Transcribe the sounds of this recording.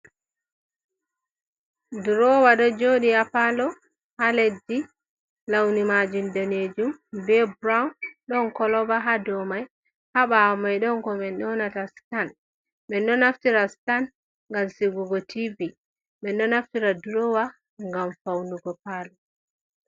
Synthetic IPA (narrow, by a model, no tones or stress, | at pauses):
dɾɔwaɗɔd͡ʒoːɗiapalɔ | haledːi | lawnimad͡ʒundaned͡ʒumbɛbɾawnɗɔnkɔlɔbaɦadɔmaj | haɓamajɗɔŋkɔmɛnɗɔnatastan | ɓɛnɗɔnaftiɾastan | ŋɡamsiɡuɡɔtʰivi | ɓɛnɗɔnaftiɾadɾɔwa | ŋɡamfawnuɡɔpalɔ